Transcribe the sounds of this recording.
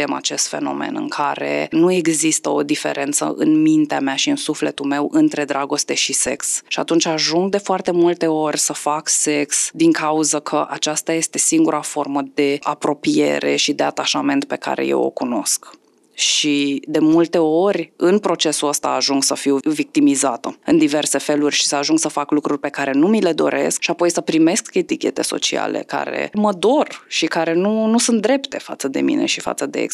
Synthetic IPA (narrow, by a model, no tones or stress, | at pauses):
ema̰t͡ʃe̞st̪fe̞̰no̞̰me̞̰nɨ̰ŋkʰaɾe̞̰nue̞ɡzist̪əo̞d̪ife̞̰ɾʔe̞nt̪sə̰ʔɨ̰nmint̪eamaʃiɨnsufle̞t̪ume̞wʔɨnt̪ɾe̞d̪ɾaɡo̞st̪e̞ʃise̞̰ksʃiat̪unt͡ʃʲaʒuŋɡ̚d̪e̞foart̪e̞mult̪e̞o̞rʲsəfakse̞ksd̪iŋkauzəkʰəʔat͡ʃast̪aje̞st̪e̞siŋɡuɾafo̞rməd̪e̞apɾo̞pije̞̰ɾe̞̰ʃid̪e̞at̪aʃame̞nt̪̚pe̞ka̰ɾe̞̰je̞̰wo̰kuno̞̰sk | ʃid̪e̞mult̪e̞o̞rʲɨnpɾo̞t͡ʃe̞suəst̪a̰ːʒuŋɡsəfiwvik̚t̪imizat̪əɨnd̪ive̞rse̞fe̞lurʲʃi̥səaʒuŋɡsəfaklukɾurʲpe̞kaɾe̞numile̞d̪o̞̰ɾe̞̰skʃiapo̞jsəpɾime̞ske̞t̪ikʲe̞̰t̪e̞̰so̞̰t͡ʃia̰lḛka̰ɾe̞̰məd̪o̞rʃikaɾe̞nunusunt̪̚d̪ɾe̞pt̪e̞fa̰t̪səd̪e̞̰mḭne̞̰ʃifa̰t̪səd̪eḛ